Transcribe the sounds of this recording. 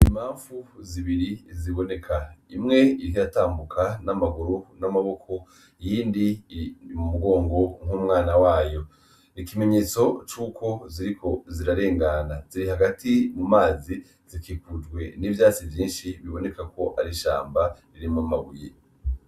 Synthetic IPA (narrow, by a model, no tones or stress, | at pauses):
im̥aːɱfuziβiɾiziβo̞ne̞kʰaimŋe̞iiɦijataːmbukʰanamaɡuɾunamaβo̞kʰo̞ | jiːndiimumuɡo̞ːŋɡo̞ŋ̥humŋaːnawaːjo̞ | nikime̞ɲe̞ːt͡so̞t͡ʃuːkʰo̞ziɾikʰo̞ziɾaɾe̞ːŋɡanaz̥iɾiɦaɡatʰimumaːzi | z̥ikikud͡ʒɡwe̞nivjaːt͡sivjiːnʃiβiβo̞ne̞kako̞ʔaɾiʃa̰ːmbaɾiɾimamaɡuje